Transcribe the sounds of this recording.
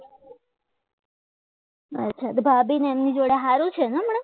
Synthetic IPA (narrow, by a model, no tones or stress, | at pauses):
ətːʃʰat̪obʱabineemnid͡ʒoɽeɦaɾut͡ʃʰeneməɳ̃e